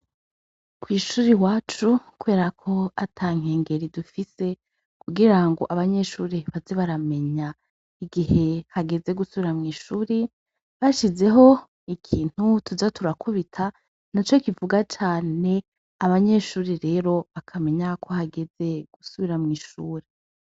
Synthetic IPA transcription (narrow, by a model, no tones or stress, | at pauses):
kwiːʃuːɾiwaːt͡ʃukuβe̞ːɾakʰo̞atʰaːŋ̥eːŋɡe̞ɾidufise̞ | kuɡiɾaŋɡo̞̰ʔaβaɲe̞ʃuːɾiβazeβaɾame̞ɲa | iɡiɦe̞haɡe̞ze̞ɡusuβiɾamŋiːʃuːɾi | βaʃize̞ɦo̞ | ikʰiːn̥hutuzatuɾakʰuβitʰa | nat͡ʃokivuɡat͡ʃaːne̞ | aβaɲe̞ːʃuːɾiɾe̞ːɾo̞βakʰame̞ɲakʰo̞haɡe̞ze̞ɡ̥usuβiɾamŋiːʃuːɾi